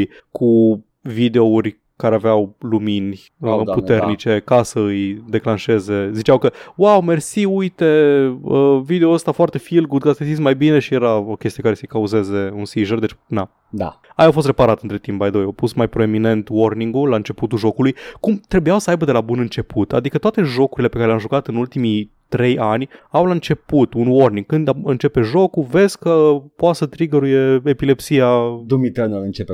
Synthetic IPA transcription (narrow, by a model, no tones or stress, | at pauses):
j | kʰu | vid̪eourʲ | kaɾeaveawluminʲ | put̪e̞rnit͡ʃe̞kasəɨjd̪e̞klanʃe̞ze̞zit͡ʃawkəwawme̞rsiujt̪e̞əvid̪eoəst̪afoart̪e̞filɡud̪̚kast̪esismajbine̞ʃije̞ɾaokʲest̪ijekaɾe̞səjkauze̞ze̞unsiʒərd̪et͡ʃna | d̪a̰ajawfos̬t̪re̞paɾat̪ɨnt̪ɾe̞t̪impbajd̪o̞jawpusmajpɾoemine̞nt̪wo̞rniŋɡulaɨnt͡ʃe̞put̪uʒo̞kulujkumt̪ɾe̞bujawsəajbəd̪e̞labunɨnt͡ʃe̞put̪a̰d̪ikət̪oat̪e̞ʒo̞kuɾile̞pekaɾelʲamʒukat̪ɨnult̪imi | t̪ɾe̞janʲawlaɨnt͡ʃe̞put̪unwo̞rniŋɡ̚kɨnd̪aɨnt͡ʃe̞pe̞ʒo̞kuve̞zkəpoasət̪ɾiɡəɾuje̞epile̞psiad̪umit̪analɨnt͡ʃepe